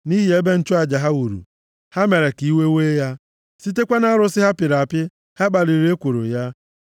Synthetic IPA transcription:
ni˦ɦi˨e˦be˦n̩˦t͡ʃʊ˦a˨d͡ʒa˨ɦa˦u˨ɾṵ˨ | ha˦me˨ɾe˨ki˨˦we˦weː˦ja˦ | si˦t̬e˦kʷa˦na˦ɾʊ˦sɪ˦ɦa˦pɪ˨ɾa˨pɪ˦ | ha˦ɡ͡ba˨ɾi˨ɾe˦kʷu˨ɾo̰˨ja˦

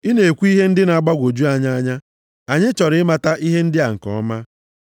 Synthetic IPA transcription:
i˦ne˨e˨kʷu˦i˦ɦe˦n̩˦dɪ˦na˨˦˨ɡ͡ba˦ɡʷo˨d͡ʒu˦a˦ɲa˦a˦ɲa˦ | a˨ɲɪ˦t͡ʃɔ˨ɾɪ˨˦ɪ˦ma˨ta˦ʔi˦ɦe˦n̩˦dɪ˦a˨ŋ̩˨kɔ̰˨˦ma˦

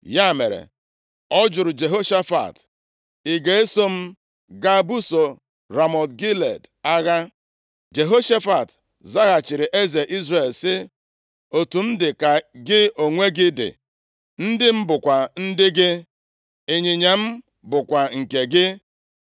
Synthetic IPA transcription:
ja˦˨me˨ɾḛ˨ | ɔ˦d͡ʒʊ˨ɾʊ˨d͡ʒe˨ɦo˦ʃa˦fa̰˨t | i˨ɡe˨e˦so˦m̩˦ | ɡa˦bu˦so˨ | ɾa˨mɔ˨tɡi˦le˨d | a˦ɣa˦ | d͡ʒe˨ɦo˦ʃa˦fa˨t | za˦ɣa˨t͡ʃɪ˨ɾɪ˨ʔe˦ze˨ʔi˦zɾe˨lsɪ˦ | o˨tu˨n̩˦dɪ˨ka˨ɡɪ˦o˨ŋʷe˦ɡɪ˦dɪ̰˨ | n̩˦dɪ˦m̩˦bʊ˨kʷa˨n̩˦dɪ˦ɡɪ˦ | e˨ɲi˨ɲa˨m̩˦ | bʊ˨kʷa˨ŋ̩˨ke˨ɡɪ˦

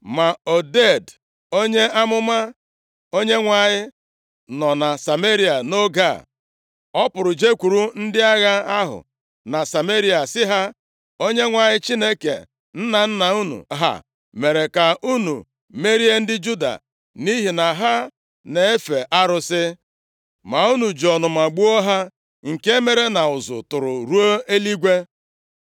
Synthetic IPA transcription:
ma˨o˨de˦˨d | o˦ɲe˦a˦mʊ˦ma˦ | o˦ɲe˦ŋʷa˨ɲɪ˦ | nɔ˨na˨sa˨me˦ɾi˦a˨no˦ɡa̰˦˨ | ɔ˦pʊ˨ɾʊ˨d͡ʒe˦kʷu˨ɾu˦n̩˦dɪ˦a˦ɣa˦a˦ɦʊ̰˨ | na˨sa˨me˦ɾi˦a˨sɪ˦ɦa˦ | o˦ɲe˦ŋʷa˨ɲɪ˦t͡ʃi˦ne˦kḛ˨ | n̩˦na˨n̩˦na˨u˦nṵ˨ɦa̰˨ | me˨ɾe˨ka˨u˦nṵ˨ | me˦ɾi˦e˦n̩˦dɪ˦d͡ʒu˦da̰˨ | ni˦ɦi˨na˨ɦa˦ | ne˨e˦fe˨ʔa˦ɾʊ˦sɪ˦ | ma˨u˦nu˨d͡ʒɔ˨nʊ˨ma˨ɡ͡bu˦o˦ɦa˦ | ŋ̩˨ke˦me˦ɾe˦na˨ʊ˨zʊ̰˨tʊ˨ɾʊ̰˨ɾu˦o˦e˦li˦ɡʷe˦

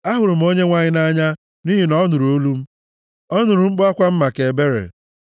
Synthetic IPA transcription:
a˦ɦʊ˨ɾʊ˨m̩˦o˦ɲe˦ŋʷa˦ɲɪ˦na˦ɲa˦ | ni˦ɦi˨nɔ˦nʊ˨ɾu˨o˦lu˦m̩˦ | ɔ˦nʊ˨ɾu˨ŋ͡m̩˦k͡pʊ˦a˦kʷa˦m̩˦ma˨ke˨be˦ɾḛ˨

